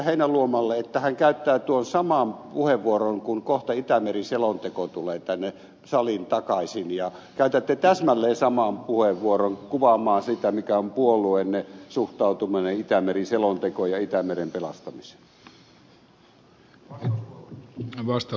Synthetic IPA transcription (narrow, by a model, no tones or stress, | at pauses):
heinæluomɑlːeet̪ːæhæŋkæyt̪ːæːt̪uonsɑmɑmpuheʋʋuoroŋkuŋkoht̪ɑit̪æmeriselont̪ekot̪uleːt̪ænːe | sɑlint̪ɑkɑisinjɑkæyt̪æt̪ːet̪æsmælːeːsɑmɑmpuheʋʋuoroŋkuʋɑmˑɑːnsit̪æmikæompuoluenːesuht̪ɑˑut̪umineit̪æmeriselont̪ekojɑit̪æmerempelɑst̪ɑmise̥ | ʋɑst̪